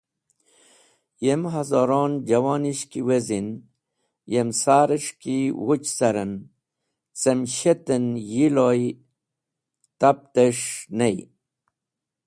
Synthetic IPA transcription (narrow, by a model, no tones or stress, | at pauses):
jemɦazoɾoːnd͡ʑɐwaːniɕkiwezin | jemsaːɾeʂkiwut͡ɕsɐɾən | t͡semɕet̪enjiloj | t̪ap̚t̪eʂnej